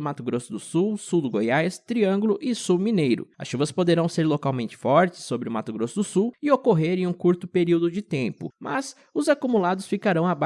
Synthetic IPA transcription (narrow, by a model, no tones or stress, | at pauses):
mat̪ʊɡɾosʊd̪ʊsuwsuwd̪ʊɡojajst̪ɾiɐ̃ŋɡʊlʊʔɪsuwminejɾʊ̰ɐ̰sʃuvɐspod̪eɾɐ̃w̃seɾlokawmẽnt͡ʃɪ̥fɔɾt͡ʃɪ̥sːobɾɪʊmat̪ʊɡɾosʊd̪ʊsuwɪokoɦeɾẽũkuɾt̪ʊpeɾiwd̪ʊd͡ʒɪt̪ẽmpʊ̰mɐ̰z | ʊzakumulad̪ʊsfikaɾɐ̃w̃aba